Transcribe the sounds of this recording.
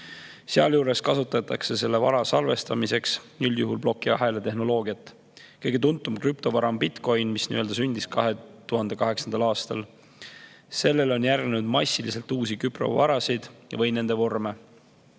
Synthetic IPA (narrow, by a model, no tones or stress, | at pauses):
seɑ̰ljuːɾe̞skɑsut̪ːˑɑt̪ːˑɑkse̞se̞lːevɑɾɑsɑlve̞st̪ɑmise̞ksnylʲjuɦulblo̞kˑːiɑɦe̞let̪e̞ɦno̞lo̞ːɡiɑt̪ːˑ | kɤjɡ̥e̞t̪unt̪ːˑumkrypt̪o̞vɑɾɑmbit̪ko̞jnmisniːø̞ld̪ɑs̬ynʲd̪̥iskɑɦe̞t̪uɦɑnd̪̥e̞kɑɦe̞ksɑnd̪̥ɑlɑːst̪ɑl | se̞lːe̞lo̞njærɡnenud̪̥mɑsʲːilise̞lt̪ːuːsikypro̞̰vɑɾɑsid̪̥vɤjne̞nd̪e̞vo̞rme